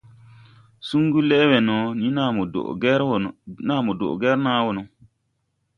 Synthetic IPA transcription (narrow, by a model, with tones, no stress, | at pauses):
su˦ŋɡu˦lɛ˦we˨no˨˦ni˦a̰˦˨ʔɾna˦mo˨do̰˨ʔɡɛ˦ɾnaː˦wo˨no˨